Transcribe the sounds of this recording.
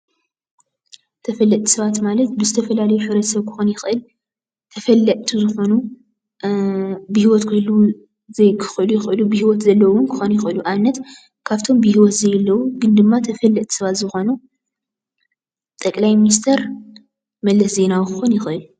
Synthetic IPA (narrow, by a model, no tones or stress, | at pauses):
t̪ʰɐfɐlːɐt̪ʼi̥sɐβat̪malɐt̪bɨzɨt̪ʰɐfɐlalɐjuħɨβɾɐt̪sɐβkʰɨ̥xonjɪxʔɨl | t̪ʰɐfɐlːɐt̪ʰizɨxo̞nu | bɨhiwɔt̪kʰɨlu | zejkʰɨ̥xʔɨlujɪxʔɨlubɨhiwɔt̪zɐlːɐwʊnkʰɨxonjɪxʔɨluʔanːɐt̪ | kʰaβt̪ʰo̞mbɨhiwɔt̪zɐjɛlːɐwuɡɨnd̪ɨmːat̪ʰɐfɐlːɐt̪t̪ʼʰi̥sɐβat̪zɨxo̞nu | t̪ʼɐkʼlajminist̪ʰɐɾ | mɐlːɐsze̞nawikʰɨxonjɪxʔɨl